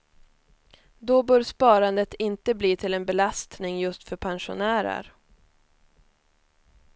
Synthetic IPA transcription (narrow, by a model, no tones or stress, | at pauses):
d̪ɔbœːɾspɑːɾand̪ət̪ɪnt̪əbliːt̪ʰɪlɛnbɛlast̪nɪŋjɵst̪fœɾpʰanʂʊ̰næːɾə̰ɾ